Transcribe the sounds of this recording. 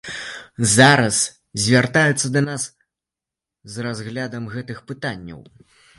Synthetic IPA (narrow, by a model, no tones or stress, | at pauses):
zaɾɐs | zʲvʲart̪ajɛt̪sːɐd̪ɐnas | zrazɣlʲad̪ɐmɣɛt̪ɨxpɨt̪anʲːɐ̰w